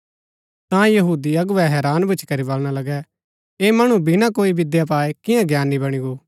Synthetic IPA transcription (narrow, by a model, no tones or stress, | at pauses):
t̪ãjɐɦuːd̪iɐɡʊʋɛɦɛːɾaːnbʊt͡ʃʰi̥kɐɾibɐlɽ̃alɐɡɛ | eːmɐɽ̃ubɪnãkoːibɪd̪jap̬aːekɪjãɡjaːnːibɐɽ̃iɡoː